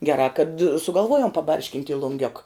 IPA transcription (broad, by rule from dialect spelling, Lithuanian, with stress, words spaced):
ɡʲɛˈrɑː kɐt sʊɡɐlˠˈʋuɔjoːm pɐˈbɐrʲʃʲkʲɪnʲtʲ ɪ lˠʊŋʲˈɡʲoːk